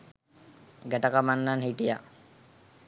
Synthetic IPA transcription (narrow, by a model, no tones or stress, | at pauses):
ɡɛʈakamanːanhiʈija̰